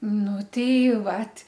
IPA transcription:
ˈnʊ tʲɛɪ ˈʋɐt

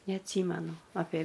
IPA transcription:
nʲɛɐtʲˈsʲiːmʲɛnʊ ɐpʲeː

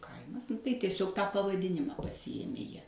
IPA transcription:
ˈkɐɪmɐs tɐɪ tʲiɛˈsʲoːk ˈtɑː pɐʋɐˈdʲɪnʲɪmɑː pɐsʲɪˈjeːmʲeː ˈjiɛ

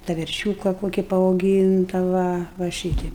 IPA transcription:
tɐ ʋʲɛrʲˈʃʲuːkɐ ˈkoːkʲɪ pɐɐʊˈɡʲiːntɐ ʋɐ ʋɐ ˈʃʲiːtʲɛɪp

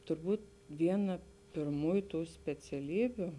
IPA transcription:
tʊrˈbuːt ˈʋʲiɛnɐ pʲɪrˈmuːjʊ ˈtuː sʲpʲɛt͡sʲɛˈlʲiːbʲʊ

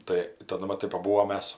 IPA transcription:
ˈtɐɪ tɐˈdʊ mɐˈtɐɪ pɐˈbuːʋoːm ˈmʲɛs

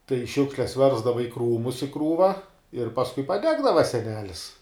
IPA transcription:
tɐɪ ˈʃʲʊkʃʲlʲɛs ˈʋʲɛrzdɐʋɐ ɪ ˈkruːmʊs ɪ ˈkruːʋɐ ɪr pɐsˈkʊɪ pɐˈdʲæːɡdɐʋɐ sʲɛˈnʲæːlʲɪs

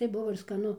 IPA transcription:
tɐɪ ˈbʊʋoː ɪr skɐˈnʊ

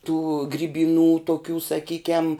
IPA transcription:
tuː ɡrʲiːbʲiːˈnuː toːˈkʲuː sɐˈkʲiːkʲɛm

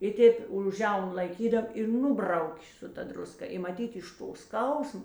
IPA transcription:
ɪ ˈtʲeːp ʊʃ ˈʒʲɛʊnʊ lˠɐɪˈkʲiːdɐm ɪ ˈnʊbrɐʊkʲeː sʊ ˈtɐ drʊˈskɐ ɪ mɐˈtʲiːt ɪʃ ˈtoː ˈskɐʊsmoː

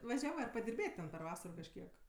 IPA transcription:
ʋɐˈʒʲæːʋɜ ɐr pɐdʲɪrʲˈbʲeːtʲ pʲɛr ˈʋɑːsɐroː kɐʃʲˈkʲiɛk

